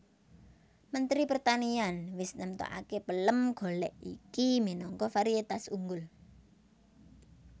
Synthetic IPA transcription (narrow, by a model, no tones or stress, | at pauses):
mənt̪ɾipərt̪anianwɪsnəmt̪o̰ʔa̰kepələmɡ̥o̤lɛʔḭkiminɔŋkɔfaɾiet̪asuŋɡʊl